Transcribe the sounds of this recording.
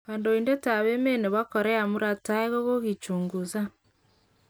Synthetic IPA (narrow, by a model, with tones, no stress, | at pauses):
kaː˨ndo˨inde˦ta˨βe˦me˦ne˨βa˦kɔ˨ɾɛ˦a˨mu˦ɾa˦ta˦eɣo˦ɣo˦ɣi˨t͡ʃuːŋɡuza˦